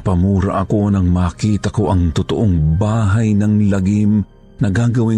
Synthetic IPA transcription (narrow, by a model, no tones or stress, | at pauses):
pɐmuːɾa̰ʔɐko̞nɐŋmaːkiːt̪ɐkoʔɐŋt̪ʊt̪oʔoŋbaːɦajnɐŋlɐɡim | nɐɡaːɡɐwɪ